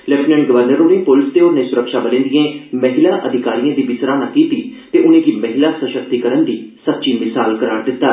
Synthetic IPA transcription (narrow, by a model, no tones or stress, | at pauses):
lɛpnɛ̃ɳɡəʋəɾnəɾʊnẽːpʊlɪst̪eːʊnnẽːsʊɾəkʃaːbəlẽːnd̪ɪẽːməɦɪlaːʔəd̪ʱɪkaːɾijãːd̪iːbɪsɾaːnãːkiːt̪iːt̪eːʔʊnẽːɡiːməɦɪlaːsəʃəkt̪ikəɾənd̪iːsət̚t͡ʃiːmɪsaːlkəɾaːɾd̪ɪt̪ːaː